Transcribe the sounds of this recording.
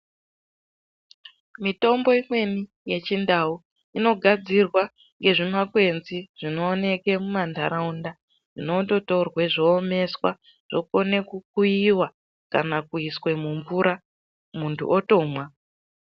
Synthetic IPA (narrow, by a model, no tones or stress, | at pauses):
mito̞mbo̞imwe̞ni | jet͡ʃindau | ino̞ɡʱad͡zirwa | ŋɡe̞ʐimakwe̞nziʐ̥ino̞ːne̞ke̞mumandʱaɾaunda | ʐ̥ino̞to̞to̞rwe̞ʐoːme̞swa̰ | ʐ̥o̞kone̞kuk̚uiwa | ka̰nakuiswe̞muɱvuɾa | muntʰṵʔoto̞ːmwa